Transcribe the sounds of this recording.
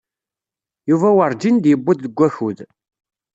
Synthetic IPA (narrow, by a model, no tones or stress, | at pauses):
juvæwəɾˤd͡ʒind̪jəbːʊd̪ðəɡʷːæçuð